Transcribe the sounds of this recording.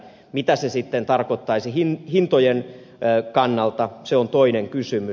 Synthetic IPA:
mit̪æsesit̪ːent̪ɑrkot̪ːɑisihinhint̪ojen | kɑnːɑlt̪ɑseont̪oineŋkysymy

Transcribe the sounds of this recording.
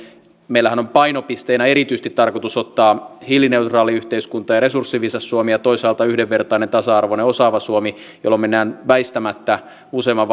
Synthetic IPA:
meilːˑæhænompɑinopist̪einæeɾit̪yist̪it̪t̪ɑrkot̪usot̪ːɑːhilːine̞ut̪rɑːliyht̪eiskunt̪ˑɑjɑɾesursːiʋisɑsːuomijɑt̪oisɑːlt̪ɑyhdeʋːert̪ɑinent̪ɑsɑɑrʋoneosɑːʋɑsuomi | jolːomenːæːnʋæist̪æmæt̪ːæ | useːmːɑʋʋ

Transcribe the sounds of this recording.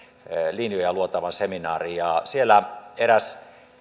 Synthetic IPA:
linjojɑluot̪ːˑɑʋɑnseminɑːrijɑsielːæeɾæs

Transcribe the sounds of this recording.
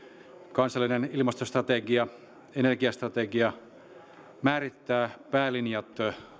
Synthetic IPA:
kɑnsɑlːinenilmɑst̪ost̪rɑt̪eɡiɑ | enerɡiɑst̪rɑt̪eɡiɑ | mæːrit̪ːæːpæːlinjɑt̪

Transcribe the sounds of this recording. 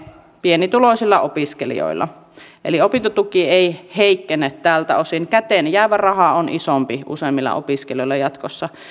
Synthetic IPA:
pienit̪uloˑisilːɑopiskelḭjo̰ilːɑ̰ | ʔḛliopint̪ot̪ukieiheikːeneːt̪t̪æːlt̪æosinkæt̪enjæˑʋærɑhɑonʔisompiʔṵseˑːmːilːɑ̰ʔo̰piskelijoilːɑjɑt̪kosːɑ

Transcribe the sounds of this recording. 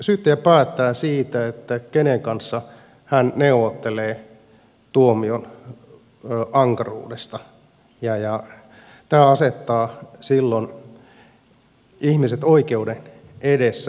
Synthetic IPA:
syːt̪ːejæpæːt̪ːæːsiːt̪æet̪ːækeneŋkɑnsːɑ | hænneuʋot̪ːeleː | t̪uomion | ʔɑŋkɑrṵːdest̪ɑ | jɑjɑ | t̪æːɑset̪ːɑːsilːon | ihmiset̪oikeuden | edesːæ

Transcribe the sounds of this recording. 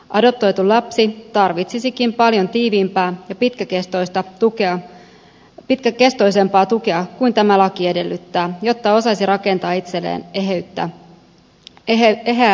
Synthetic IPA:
ʔɑdo̞p̚t̪o̞jt̪ulɑpsit̪ɑrʋit̪sisikimpɑljo̞nt̪iːʋiːmpæːjɑpit̪kækest̪o̞jst̪ɑt̪ukeɑ | pit̪kæke̞st̪o̞js̬e̞mpɑːt̪uke̞ɑkuint̪æmælɑkie̞delːyt̪ːæːjo̞t̪ːɑo̞sɑsirɑke̞nt̪ɑːit̪selːḛːneɦeyt̪ːæ̰ | eɦæː

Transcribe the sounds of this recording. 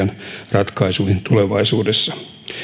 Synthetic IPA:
ɑnrɑt̪kɑisuihint̪uleʋɑisuːdesːɑ̥

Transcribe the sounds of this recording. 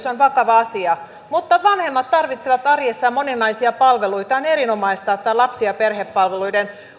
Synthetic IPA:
sonʋɑkɑʋɑɑsiɑ | mut̪ːɑʋɑnhemːɑt̪t̪ɑrʋit̪seʋɑt̪ɑrjesːɑmoninːɑisiɑpɑlʋeluit̪ɑoneɾinomɑist̪ɑet̪ːɑlɑpsiɑperhepːɑlʋeluiden

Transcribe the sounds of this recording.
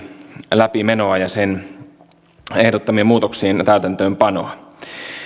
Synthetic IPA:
læpimenoɑjɑsen | ehdot̪ːɑmiemuːt̪oksient̪æyt̪ænt̪øːmpɑno̰ɑ

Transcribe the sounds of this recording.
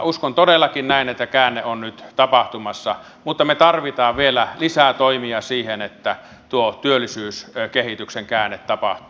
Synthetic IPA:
uskont̪odelːɑkinnæˑinet̪ːækæːnːeonnyt̪t̪ɑpɑht̪umɑsːɑ̰ | mut̪ːɑmet̪ɑrʋit̪ɑːʋʋielælisæt̪oimiɑsiːhenet̪ːæ | t̪uot̪yølːˑisyːskehit̪ykseŋkæːnːet̪tɑpɑ̰ht̪u̥ː

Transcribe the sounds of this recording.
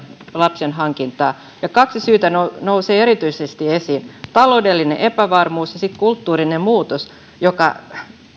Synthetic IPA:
lɑpsenɦɑŋkint̪ɑː | jɑkɑksisyːt̪ænonouseːeɾit̪yisest̪iesint̪ɑloudelːineʔepæʋɑrmuːsjɑsit̪kult̪ːuːɾinemuːt̪os | jokɑ̰

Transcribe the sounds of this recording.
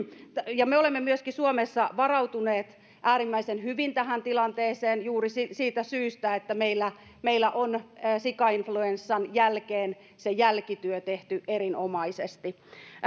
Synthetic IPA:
jɑmeolemːemyøskisuomesːɑʋɑrɑut̪uneːt̪ | ʔæːɾimːæisenhyʋint̪æhænt̪ilɑnt̪eːseːnjuːrisisiːt̪æsyːst̪æet̪ːæmeilːæ | meilːæʔonsikɑinfluensːɑnjælkeːn | sejælkit̪yøt̪eht̪yʔeɾinomɑisest̪i

